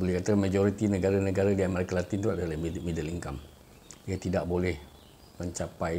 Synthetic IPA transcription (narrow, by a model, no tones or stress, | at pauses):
bolɛhkat̪akanmãd͡ʒoɾit̪inəɡaɾanəɡaɾadiamaɾikalat̪int̪uaʔdalamidəliŋkam | iat̪idaʔbolɛh | məɲt͡ʃapaj